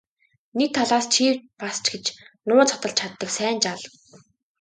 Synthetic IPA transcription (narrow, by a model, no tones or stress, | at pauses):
nek̚t̪ʰaɮaːst͡ɕʰiːrpast͡ɕɡet͡ɕnʊːt͡sʰɔt̪ə̆ɬt͡ɕʰat̪ːə̆ksæːnt͡ɕaɮ̆